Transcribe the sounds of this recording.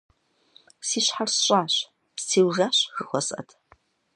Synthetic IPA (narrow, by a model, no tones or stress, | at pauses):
siːɕħarsɕʼaːɕ | psiːwʒaːɕxɨxʷɔsʼɐ̰tʰ